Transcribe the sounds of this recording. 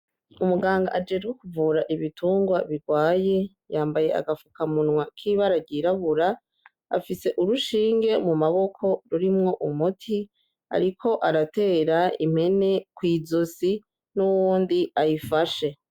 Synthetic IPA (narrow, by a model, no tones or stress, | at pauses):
umuɡaːŋɡa̰ʔad͡ʒeːd͡ʒɡwe̞kuvuɾaʔiβitʰuːŋɡwaβiɾɡwaːje̞ | jaːmbaje̞ʔa̰ɡafukamunŋwakʰiβaɾaɾɟiːɾaβuɾa | a̰fise̞ʔuɾuʃiːŋɡe̞mumaβo̞kʰo̞ɾuɾimŋo̞ʔumutʰi | a̰ɾikʰo̞ʔaɾate̞ːɾaḭm̥he̞ne̞kwiːzosi | nuwuːndiajifaʃe̞